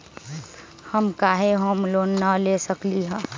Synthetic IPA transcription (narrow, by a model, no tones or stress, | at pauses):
həmkaɦeɦəmlonnalesəkliɦə̃ː